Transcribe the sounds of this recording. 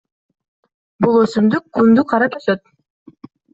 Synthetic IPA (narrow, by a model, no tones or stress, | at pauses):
bulˠøsymd̪ykːund̪uqʰɑɾɑp̪øsøt̪̚